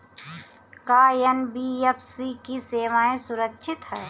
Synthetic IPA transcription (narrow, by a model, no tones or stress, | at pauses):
kaːjɐnbiːjɐpsikiseːʋaːẽsʊɾəkʃʰɪt̪ɦɛː